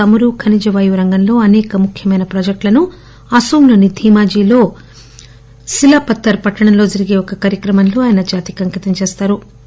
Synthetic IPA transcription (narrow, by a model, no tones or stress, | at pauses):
ɐmuɾuːkʰɐnid͡ʒɐʋaːjuɾɐŋɡɐnlo̞ːɐnɛːkɐmukʰjɐmɐjnɐpɾɐd͡ʒɐk̚ʈlɐnu | ɐsuːmlɐːnid̪ʱiːmaːd͡ʒiːlo̞ː | silaːpɐt̪ːɐɾpɐʈːɐɳɐmlo̞ːd͡ʒɐɾiɡeːɔkɐkaːɾjɐkɾɐmɐnlo̞ːaːjɐnɐd͡ʒaːt̪ikɐŋkit̪ɐmt͡ʃeːst̪aːɾu